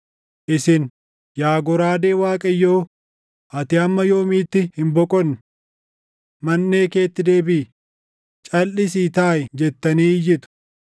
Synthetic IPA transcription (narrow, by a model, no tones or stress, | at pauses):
ʔɪsɪn | jaːɡɔɾaːd̪e̞ːwaːkʼɐjːo̞ː | ʔɐt̪ɪɐmːɐjo̞ːmiːt̪ːɪhɪmbɔkʼɔnː | mɐnːe̞ːke̞ːt̪ːɪd̪e̞ːbɪː | t͡ʃʼɐlːɪs̬iːt̪aːjd͡ʒɛt̪ːɐniːjɪt̪ʊ̥